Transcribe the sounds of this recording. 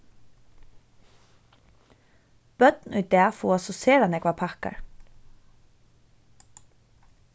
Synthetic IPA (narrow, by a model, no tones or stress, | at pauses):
b̥œt̪nʏjd̪ɛːfɔwasɔseːɾanɛːkʰvapʰahka̰ɹ